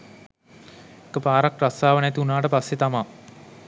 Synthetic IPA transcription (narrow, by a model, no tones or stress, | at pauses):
ekəpaːɾakrasaːʋənæt̪iunaːʈəpasːet̪ama